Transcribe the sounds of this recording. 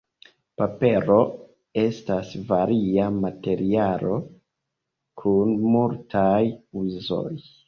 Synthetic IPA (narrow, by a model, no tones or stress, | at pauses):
pape̞ɾo̞ | e̞stasvaɾiamate̞ɾialo̞ | kʰunmultʰajuzo̞̰j